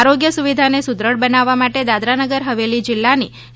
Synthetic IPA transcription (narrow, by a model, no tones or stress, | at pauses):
aɾoɡjəsuʋid̪ʱanesud̪ɾəɽbənaʋːamaʈed̪ad̪ɾanəɡəɾɦəʋelid͡ʒɪlːani